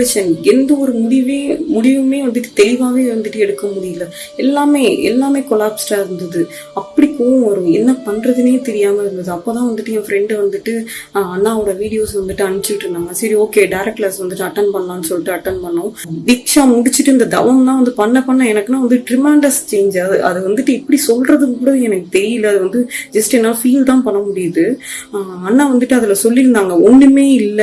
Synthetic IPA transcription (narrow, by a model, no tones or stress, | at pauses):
ɐʃɐnɛnd̪ɐɔɾɯmʊɽɪʋeːmʊɽɪʋɯmeːʋɐnd̪ɯʈːɯ̥t̪ɛɻɪʋaːʋeːʋɐnd̪ɯʈːɯɛɽɯkːɐmʊɽɪjɪlːɐ | ɛlːaːmeːɛ̰lːaːmeːkɔlaːpsʈaːɪɾɯnd̪ɐðɯ | ɐpːɐɽikoːʋɐ̃ʋɐɾʊ̃ɛnːɐpɐɳɾɐðɯneːt̪ɛɾɪjaːmɐɪɾɯnd̪ɐðɯɐpːoːt̪ãːʋɐnd̪ɯʈːɯjɛ̃ːfɾɛɳɖɯʋɐnd̪ɯʈːɯaːnːãːɐʋɯɽɐʋiːɽɪjoːsʋɐnd̪ɯʈːɯɐnɪt͡ʃːɯkɪʈːɯɾɯnaːŋɐsɐɾioːkeːɖɐɪɾɛk̚ʈlaːsʋɐnd̪ɯʈːɯɐʈːɐnpɐɳlãːnːɯsɔlːɪʈːɯɐʈːɐnpɐɳːʊ̃ | d̪ɪkʂamʊɽɪt͡ʃːɪʈːɯɪnd̪ɐd̪ɐʋɐmt̪ãːʋɐnd̪ɯpɐɳːɐpɐɳːɐ̃ɛnɐkːɯnãːʋɐnd̪ɯʈɾɪmaːɳɖɐst͡ʃeːɲd͡ʒaːðɯʔɐðɯʋɐnd̪ɯʈːɯɛpːɐɽisɔlrɾɐðɯkːɯkuːɽɐðɯɛnɐkːɯt̪ɛɾɪjɪlːɐːðɯʋɐnd̪ɯd͡ʒɐsʈɯɛnːaːlɐfiːlt̪ãːpɐɳːɐmʊɽɪjɐðɯ | ɐnːaːʋɐnd̪ɯʈːɯɐðɪlɐsɔlːɪɾɯnd̪aːŋɡɐɔɳɖɯmeːɪlːɐ